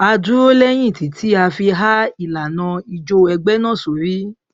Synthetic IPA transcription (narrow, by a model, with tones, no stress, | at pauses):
a˧dũ˨˦o˦lɛ˦j̃ĩ˦˨ti˨tʰi˨˦a˧fi˧ɦa˦i˦˨la˨nã˧i˧d͡ʒo˧ɛ˧ɡ͡bɛ˦nã˦˨so˨ɾi˦